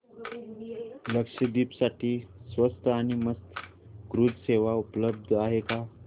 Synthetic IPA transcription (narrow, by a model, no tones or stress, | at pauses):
ləkʂəd̪iːpsaʈiːsʋəst̪ʰəaɽ̃iməst̪ʰ | ɡɾud͡zseʋaupləb̚d̪ʱaɦeka